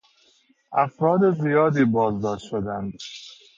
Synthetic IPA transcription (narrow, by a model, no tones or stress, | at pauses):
ʔæfɾɒːd̪ezijɒːd̪iːbɒːzd̪ɒːʃt̪ʃod̪ænd̪